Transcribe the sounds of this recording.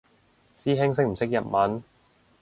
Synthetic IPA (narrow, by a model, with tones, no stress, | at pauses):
siː˥ɦɪ˥ŋs̬ɪ˥k̚m̩˨˩sɪ˥k̚jɐ˨t̚mɐ˨˥n